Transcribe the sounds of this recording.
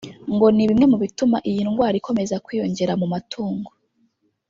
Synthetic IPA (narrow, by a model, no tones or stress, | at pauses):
ŋɡo̞niβimŋe̞muβitumaʔijiːnuŋɡwaːɾiko̞me̞zakwiːjo̞ɲɟe̞ɾamumatʰuːŋɡo